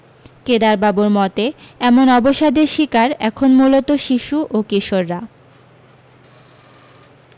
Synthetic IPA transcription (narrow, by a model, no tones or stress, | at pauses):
ked̪aɾbabuɾmɔt̪eɛmonɔboʃad̪eʃikaɾɛkʰonmulot̪oʃiʃuʔokiʃoɾːa